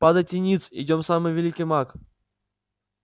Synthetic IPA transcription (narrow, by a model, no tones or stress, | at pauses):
pad̪ətʲɪnʲit̪sɪ̰dʲomsamɨjvʲɪlʲikʲɨjmak